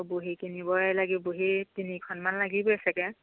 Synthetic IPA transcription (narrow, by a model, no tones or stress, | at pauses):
boɦikinibɔjlaɡiboɦitinikʰɔnmanlaɡibɔasɛkɛ